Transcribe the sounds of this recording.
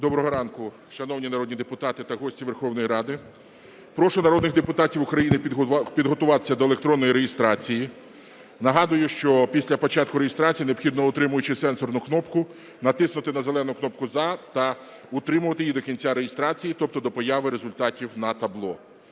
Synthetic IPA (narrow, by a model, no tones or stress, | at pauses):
d̪ɔbɾɔɦɔɾɑnkʊ | ʃɐnɔwnʲinɐɾɔd̪̚ʲnʲid̪epʊt̪ɑt̪ɪt̪ɐɦɔsʲtʲiʋe̞rxɔwnɔjiɾɑd̪ɪ | pɾɔʃʊnɐɾɔd̪nɪɣd̪epʊt̪ɑtʲiwʊkɾɐjinɪpʲid̪ɦɔt̪ʊʋɑt̪ɪ̥sʲːɐd̪ɔelˠekt̪ɾɔnːɔjiɾejɪst̪ɾɑt͡sʲiji | nɐɦɑd̪ʊjʊʃt͡ʃɔpʲisʲlʲɐpɔt͡ʃɑt̪̚kʊɾejɪst̪ɾɑt͡sʲijineɔbxʲid̪nɔʊt̪ɾɪmʊjʊt͡ʃɪsɛnsɔrnʊknɔpkʊ | nɐt̪ɪsnʊt̪ɪnɐzelˠɛnʊknɔp̚kʊzɑt̪ɐ | ʊt̪ɾɪmʊʋɐt̪ɪjid̪ɔkʲinʲt͡sʲaɾejest̪ɾɑt͡sʲijit̪ɔp̚t̪ɔd̪ɔpɔjɑʋɪɾe̞zʊlʲt̪ɑtʲiwnɐt̪ɐblˠɔ